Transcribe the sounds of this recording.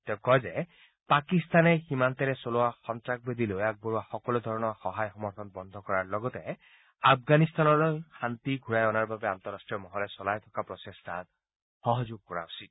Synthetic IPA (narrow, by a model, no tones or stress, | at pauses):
t̪eʊ̃kɔzɛ | pakist̪anɛximant̪ɛɾɛsolowaxɔnt̪ɾak̚bed̪ʱilojak̚bɔɹuaxɔkɔlod̪ʱɔɹɔnɔxɔɦajxɔmɔɾt̪ʰɔnbɔnd̪ʱɔkɔɹaɹlɔɡɔt̪ɛ | ab̚ɡanist̪anɔlɔjxant̪iɡʱuɹajɔnaɹbabeant̪ɔɾːasʈɹijɔmɔɦɔlɛsɔlajt̪ʰɔkapɾɔsestʰan | xɔɦɔd͡ʒoɡ̚kɔɹa̰wsi